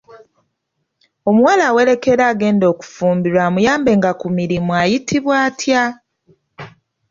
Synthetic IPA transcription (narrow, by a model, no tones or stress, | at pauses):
o̞muwalaːwe̞ɾe̞ke̞ɾaːɡe̞ːndo̞ːku̥fuːmbiɾwaːmujaːmbe̞ŋɡakumiɾimuajitʰiβwaːtja